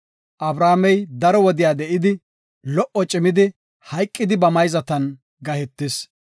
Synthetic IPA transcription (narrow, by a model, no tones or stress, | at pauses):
ʔɐbɾaːmɛjd̪ɐɾɔwɔd̪ɪjaːd̪ɛʔɪd̪ɪ | lɔʔːɔt͡ʃʼɪmɪd̪ɪ | hɐjkʼːɪd̪ɪbɐmɐjzɐt̪ɐn | ɡɐhɛt̪ːɪs